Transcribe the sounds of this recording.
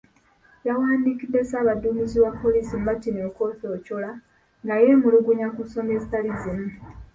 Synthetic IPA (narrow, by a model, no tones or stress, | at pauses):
jawaːndikid̪ːe̞saːβaduːmiziwapːo̞liːsimuβatineko̞ːto̞ːcola | ŋɡaje̞ːmuluɡuɲakuso̞me̞ːzitalizimu